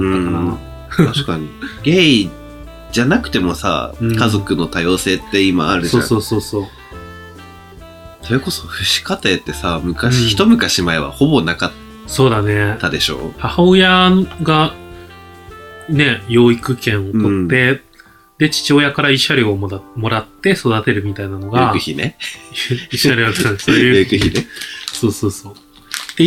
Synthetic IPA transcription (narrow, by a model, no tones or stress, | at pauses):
ɯ̃ | t̪aɕi̥kaɲ̟iɡei | d͡ʑanakɯ̟̥t̪e̞mo̞sa̰ɯkazo̞kɯ̟no̞t̪ajo̞ːse̞ːt̪ːe̞ima̰ːaɾɯ̟ʑso̞ːaso̞ːso̞ːsoː | so̞ɾe̞ko̞so̞ɸɯ̟ɕi̥kat̪et̪ːe̞samɯ̟kaɕĩçi̥t̪o̞mɯ̟kaɕimaeβa̰ho̞bo̞nakat̪ | so̞ːd̪ane̞ːad̪e̞ɕo̞̰ːhahaojaɡa | ne̞jo̞ːikɯ̟kẽ̞ɰ̃o̞t̪ot̪ːe̞ | d̪e̞t͡ɕi̥t͡ɕio̞jakaɾaiɕaɾʲiomo̞ɾat̪ːe̞so̞d̪at̪e̞ɾɯ̟mʲit̪ainano̞ɡaɯ̟çinḛ | iɕːaɾʲiat̪ːanesoːjɯekɯ̟çineso̞ːso̞ːso̞ː | d̪̥e